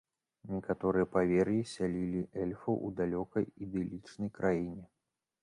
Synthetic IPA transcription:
nʲɛkat̪ɔɾɨjɛpavʲɛrjisʲalʲilʲiʔɛlʲfɐ̰ʔṵd̪alʲɔkɐjid̪ɛlʲit͡ʂnɐjkɾʔajinʲɛ

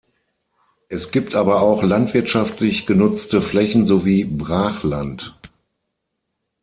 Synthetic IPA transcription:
ʔɛsɡ̥iːp̚tʔaːbɐaʊxlantv̥ɪɐtʃaftʰlɪçɡ̥ənʊt͡stəflɛçn̩zoviːbʁaːχlant

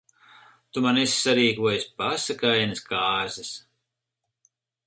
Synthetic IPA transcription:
t̪umanɛsʲsaɾiːkuɔjspasakajanɨskaːɾzɨs

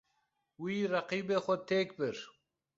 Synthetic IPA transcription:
wiɾɐqiːbexot̪ʰeːkbɪɾ

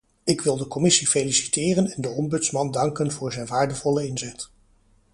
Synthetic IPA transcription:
ɪkʋɪlˠdəkɔmɪsifelisi̥tɪːrənɛndəɔmbɵtsmɑndɑŋkənvʊːɹzɛjnʋaːɹdəvɔləɪnzɛt

